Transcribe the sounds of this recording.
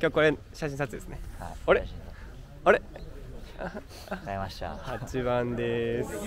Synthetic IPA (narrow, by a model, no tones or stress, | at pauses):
kʲokːoɾe | ɕaɕĩsat͡sɨd̪e̞sɨneoɾe | oɾe | aat̪a̰hat͡ɕiβãnd̪es